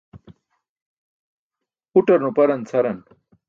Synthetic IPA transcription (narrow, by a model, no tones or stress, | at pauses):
uʈɐɾnũpɐɾɐnt͡sʰɐɾɐn